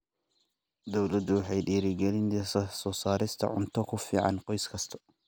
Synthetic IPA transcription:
d̪ɔwlɐd̪ʊwɑħɑjɗiːɾɪɡɛlɪnt̪sɐsɔːsaːɾɪst̪ʰɐ̰ʕʊnt̪ʰɔkʰʊfiːʕɑ̰nqɔjskʰɐst̪ʰɐ̥

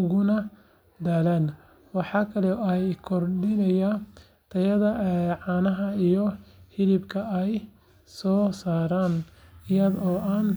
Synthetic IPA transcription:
ʊɣʊnɐ | d̪aːlaːn | wɑħɑːkʰɐlɛɛjkʰɔrɖɪnɐja | t̪ʰɐjɐðɐʕɑːnɐɦɐijɔhɪlɪbkʰɐɛj | sɔːsaːɾaːnɪjɐðɔːʔaːn

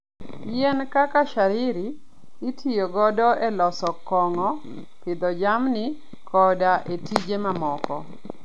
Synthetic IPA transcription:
jɛnkakaʃaɾɪɾiː | tʰijoɡɔdɔʔelɔsɔkɔŋɔ | pɪd̪ɔd͡ʒamnɪ | kʰɔdaʔetid͡ʒemamɔkɔ̰

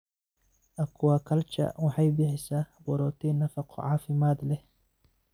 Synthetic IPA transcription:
ʔɐkʰʊwaːkʰɐlt͡ʃɐ̰wɑħɑjbɪħɪsaːbɔɾɔt̪ʰiːnɐfɑqʰɔ̰ʕɑːfɪmaːd̪lɛ

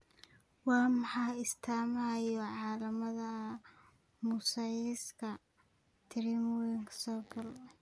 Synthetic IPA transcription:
wɑːmɑħɑːɪst̪ʰaːmɐjɔʕɑːlɐmɐðɐ | mʊsɐjɪskʰɐ | t̪ʰɪɾimwɪŋkʰsɔːɡɐl

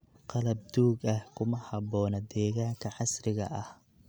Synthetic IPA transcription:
qɑlɐb̚d̪uːɡɐhkʰʊmɐhɑβɔːnɐd̪ɛːɣaːŋkʰɐʕɑsrɪɣɐ̰ʔɐh

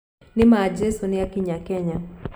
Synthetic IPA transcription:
nɪmad͡ʒesunɪjakiɲakɛɲa

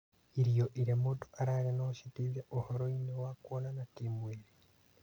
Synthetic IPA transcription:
iɾijoʔiɾjamoto̥ʔaɾaɾanoʃitizeʔohoɾoinewakwonanakemweːɾi

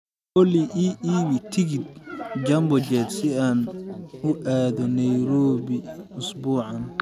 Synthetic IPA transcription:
kɔliʔiʔiɣit̪ʰɪɣɪd̪̚d͡ʒɐmbɔd͡ʒɛːd̪sɪaːnʊʔaːðɔnɐjɾɔːβiʊsbuːʕɑn

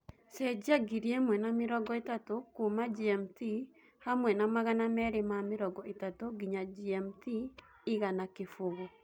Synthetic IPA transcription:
sed͡ʒaɡiɾiemwɛnamɪɾɔɡɔetatokumad͡ʒiɛmti | hamwɛnamaɣanamɛɾemameɾɔɡɔetatoɡiɲad͡ʒiɛmti | iɣanakefoɣɔ

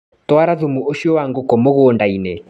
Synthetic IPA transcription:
twaɾaðomuoʃiɔwaŋɡokɔmoɣoːndaine

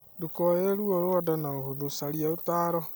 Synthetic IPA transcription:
dukɔeɾeɾuoɾoadanaohoðosaɾiaotaːɾɔ

